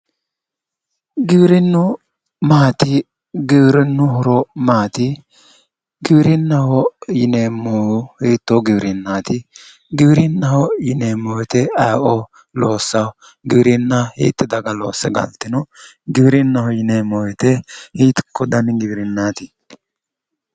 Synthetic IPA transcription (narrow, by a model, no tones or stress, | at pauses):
ɡɪbɾɪnːʊ | maːt̪ɪ | ɡɪbɾɪnːʊɦʊɾɔmaːt̪ɪ | ɡɪbɾɪnːɐhɔjɪneːmːɔwʊhiːt̪ːɔɡɪbɾɪnːaːt̪ɪ | ɡɪbɾɪnːɐhɔjɪneːmːɔwɛt̪ɛɐjʔɔ | loːsːɐw | ɡɪbɾɪnːɐhḭːt̪ːɪd̪ɐɡɐlo̰ːsːɛɡɐ̰lt̪ːɪnʊɡɪbɾɪnːɐhɔjɪneːmːɔwɛt̪ɛhiːt̪ɪ̥kːɔd̪ɐnɡɪbɪɾɪnːaːt̪ɪ